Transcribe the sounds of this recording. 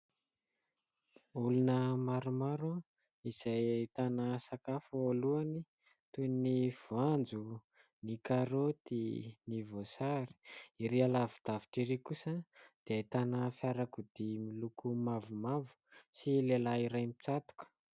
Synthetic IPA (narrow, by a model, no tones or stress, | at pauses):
ulunəmaɾumaɾa | iz̥ajait̪anəsakafəoluani | t̪univ̥uand͡zu | nikaɾot̪inivosaɾi̥iɾialavid̪̥aviʈ͡ʂiɾekusəd̪̥eait̪anəfjaɾakud̪̥imilukumavumavu̥silelaiɾajmit͡sat̪u̥kə̥